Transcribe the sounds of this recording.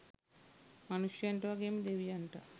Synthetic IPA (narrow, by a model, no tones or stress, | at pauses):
mɐnuʂjueɳʈɐʋakeːmid̪eʋijɐɳʈa